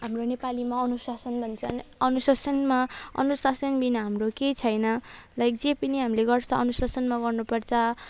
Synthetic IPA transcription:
ɦamronepalimaʌnusasʌnbʱʌnt͡sʰʌnʌnusasʌnmaʌ̰nusasʌnbinʌɦamroket͡sʰʌjnʌlajkd͡zepiniɦamileɡʌrt͡sʰʌ̃ʌnusasʌnmaɡʌrnupʌrt͡sʰʌ

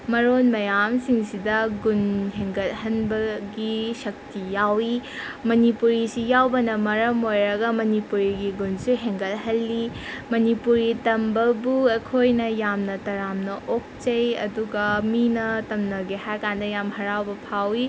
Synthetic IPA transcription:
mɐɾonmɐjamsiŋsidɐɡunɦeŋɡɐt̚ɦɐnbɐɡisɐk̚tijawimɐnipuɾisijawbɐnɐmɐɾɐmojɾɐɡɐmɐnipuɾiɡiɡunsuɦeŋɡɐt̚ɦɐlːimɐnipuɾitɐmbɐbuɐkʰojnɐjamnɐtɐɾamnɐʔok̚t͡ʃɐjɐ̰duɡɐminɐtɐmnɐɡihajkandɐjamhɐɾawbɐpʰawi

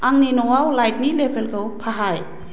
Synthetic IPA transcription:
ʔaŋninowawlajt̚nilepʰelkəwpʰaɦaj

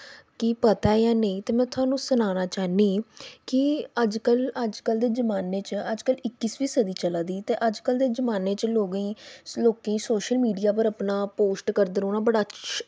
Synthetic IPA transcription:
kɪpət̪aːjaːneĩːt̪eːmɛ̃ːt̪ʰʊaːnũːsʊnaːnaːt͡ʃaːniːkɪəd͡ʒkələd͡ʒkəld̪eːd͡ʒəmaːneːt͡ʃəd͡ʒkəlɪkːisʋiːsəd̪iːt͡ʃəlaːd̪iːt̪eːʔəd͡ʒkəld̪eːd͡ʒəmaːneːt͡ʃloːɡĩːloːkeĩːsoːʃəlmiːɖijaːp̬əɾəpnaːpoːsʈkəɾd̪əɾoːnãːbəɽaː

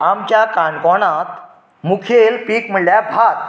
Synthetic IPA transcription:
amt͡ɕjakaɳkɔɽ̃ãt̪ | mukʰelpiːkm̤əɭljabʱat̪

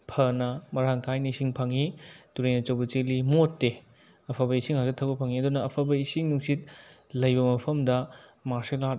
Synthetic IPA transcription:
pʰɐnɐmɐɾaŋkʰajniisiŋpʰaŋituɾejnɐt͡ʃɐwbɐt͡ʃelimotːe | ɐpʰabɐisiŋhazɐtʰɐwbɐpʰaŋiɐdunɐːpʰabɐisiŋnuksit̚ | lɐjbɐmɐpʰɐmdɐ | maɾsilat̚

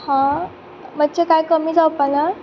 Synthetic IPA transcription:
hã | mət͡ɕekajkəmiːd͡zawpana

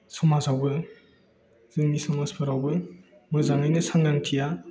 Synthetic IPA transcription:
sɔmazawbɯ | z̥ɯŋnisɔmaspʰɯɾawbɯ | mɯzaŋɯjnɯsaŋdaŋtʰija

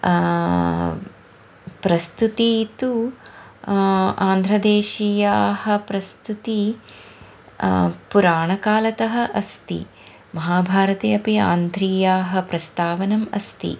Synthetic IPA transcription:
pɾɐst̪ut̪iːt̪ːu | aːnd̪ʱɾɐd̪eːʃijaːhɐ̆pɾɐst̪ut̪i | puɾaːɳɐkaːlɐt̪ɐɦɐ̆ʔɐst̪ḭ | mɐɦaːbʱaːɾɐt̪ejɐpiaːnd̪ʱɾiːjaːɦɐ̆pɾɐst̪aːʋɐnɐmɐ̰st̪ḭ

